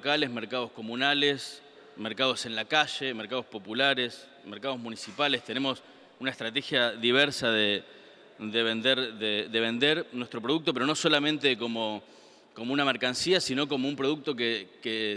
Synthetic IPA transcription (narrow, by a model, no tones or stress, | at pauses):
kalezmeɾkað̞o̞sko̞mũnales | meɾkað̞o̞se̞nlakaʃe̞meɾkaðospo̞pulaɾes | meɾkað̞o̞zmũnisipale̞st̪ene̞mo̞s | unaest̪ɾat̪exjaðiβ̞eɾsaðe | d̪eβe̞nd̪eɾðeðe̞βe̞nd̪eɾnwet̪ɾo̞pɾoðuk̚t̪opeɾo̞no̞so̞lamẽ̞nt̪eko̞mo | komounameɾkansiasino̞k̬o̞moumpɾo̞ðuk̚t̪o̞keke